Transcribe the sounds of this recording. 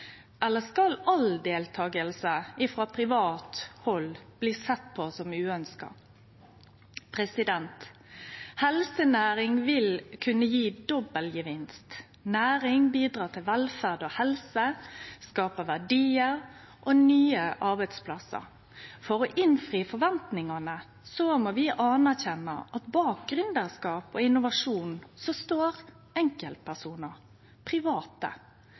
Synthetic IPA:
ʔɛlːəskɑlɑld̪eːlt̪ʰɑːɡəlsəɪfɾɑːpʰɾɪʋɑːt̪hɔlb̥liːsɛt̪ːpʰɔsɔmʉːœnskɑ̰ | pʰʁɛsɪd̪ɛnt̪ | hɛlsənæːʁɪŋʋɪlkʰʉnəjiːd̪ɔbəlɡəʋɪnst̪ | næːʁɪŋbiːd̪ʁɑːt̪ʰɪlʋɛlfæʁd̪oːhɛlsəskɑːpəʋæɖiːəɾ | ʔɔnyːəʔɑɾbɛɪd̪spʰlɑsə̰ɾ | fɔɾɔʔɪnfʁiːfɔɾʋɛnt̪nɪŋɑnə | sɔmoːʋɪʔɑːnæʁçɛnːɑ̰ʔɑt̪bɑːk̚ɡɾʉnd̪əskɑːpɔɪnʊʋɑʂuːnsɔst̪oːɾ | ɛŋkəlt̪̚pʰæsuːnəɾ | pʰɾɪʋɑːt̪ə̰

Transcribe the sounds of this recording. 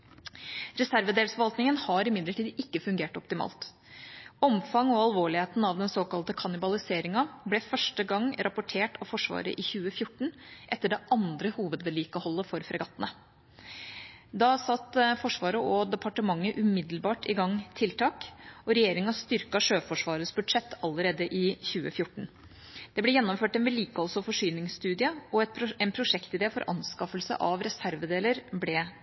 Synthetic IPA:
ɾɛsæɾʋəd̪eːlsfɔʋɑlt̪nɪŋənhɑɾɪmɪd̪ləʈʰiːd̪ɪkːəfʉŋɡeːʈɔpt̪ɪmɑ̰ːlt̪ | ɔmfɑŋɔɑlˠʋoːɭɪheːt̪nɑʋd̪ɛnsoːkɑlt̪əkʰɑnɪbɑlɪseːɾɪŋɑblɛfœʂʈəɡɑŋɾʔɑpʊʈʰeːʈʰɑʋfɔʂʋɑ̰ːɾə̰ʔɪçʉːəfjʊʈːɳ̩ʔɛt̪ːəɖɛʔɑnd̪ɾəhuːʋəd̪ʋɛliːkəhɔlːəfɔɾfɾɛɡɑt̪ːənə | d̪ɑsɑt̪ːfɔʂʋɑːɾəʔɔd̪ɛpʰɑʈəmɑŋːəʔʉmɪd̪l̩bɑːʈɪɡɑŋt̪ʰɪlt̪ʰɑːkʔɔɾɛjeːɾɪŋɑst̪ʏɾkɑʂøːfɔʂʋɑːɾəsbʉd̪ʂɛt̪ːɑlːəɾeːd̪əʔɪçʉːəfjʊʈːɳ̩ | d̪̥ɛblɛjɛnːɔmføːʈɛnʋɛliːkəhɔlsɔfɔʂyːnɪŋsst̪ʉːd̪ɪəɔɛt̪ɛnpʰɾʊʂɛkt̪ɪd̪eːlfɔɾʔɑ̰nskɑfəlsə̰ʔɑʋɾɛsæɾʋəd̪eːləɾblɛ

